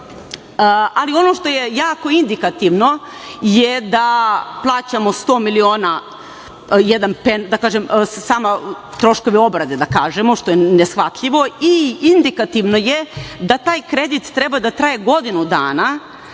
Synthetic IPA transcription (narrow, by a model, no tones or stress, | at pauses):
alio̞no̞ʃt̪o̞jejaːko̞ind̪ikat̪iʋno̞ | jed̪aplˠaːt͡ɕamo̞st̪o̞ːmilioːna | jɛd̪anpend̪akaːʒemsaːma | t̪ɾo̞ʃko̞ʋio̞bɾad̪ed̪akaːʒemoʃt̪o̞jenesxʋat̪ʎiʋo̞iind̪ikat̪iʋno̞jed̪at̪aːjkɾe̞d̪it̪ːɾebad̪at̪ɾaːjeɡo̞d̪inud̪a̰ːna